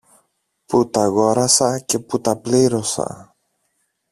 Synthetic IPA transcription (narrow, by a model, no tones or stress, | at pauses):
put̪ɐɣo̞ɾɐsɐce̞put̪ɐpliɾo̞sɐ̰